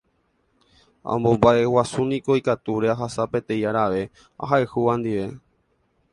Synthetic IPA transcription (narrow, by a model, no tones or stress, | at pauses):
ã̰mbo̞mbae̞wasunĩko̞ikat̪uɾe̞aɦasape̞t̪ẽ̞jaɾaʋe̞ | a̰ɦaehuʋãnd̪iʋe̞